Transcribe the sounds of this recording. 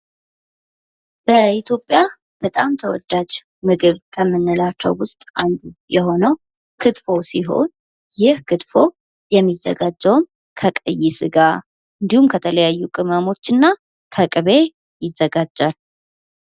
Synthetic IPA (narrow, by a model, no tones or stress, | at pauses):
b̥əit̪ʰjo̞pʼja | b̥ət̪ʼamt̪ʰəwɔ̰d̪ːad͡ʒ | mɨɡɨβkʰəmːɨnːɨlat͡ʃːə̰wwʊst̪ʼʔand̪ujɛho̞nəw | kʰɨt̪fo̞siɦo̞̰n | jɪhkʰɨt̪ʼfo̞ | jɛmːizːə̰ɡad͡ʒːəwm | kʰəkʼəjːɪsɨɡa | ɨnd̪ihumkʰət̪ʰələjajːukʼɨməmo̞t͡ʃːɨnːa | kʰəkʼɨβe̞ | jɪzːəɡad͡ʒːal